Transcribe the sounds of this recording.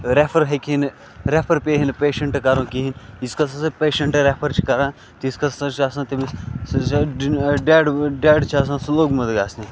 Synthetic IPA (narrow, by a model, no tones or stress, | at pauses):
ɾepʰɐɾɦekʰin | ɾepʰɐɾpeːɦinpeːʃɐɳʈkɐɾõːkiɦiniskɐs̬ɐsɐpeːʃɐɳʈɾepʰɐɾt͡ʃʰi̥kɐɾãː | t̪iskɐsɐt͡ʃʰasãnt̪imi | ɖeːɖɖeːɖt͡ʃʰaːs̬ãsloːɡmɐd̪ɡaːsni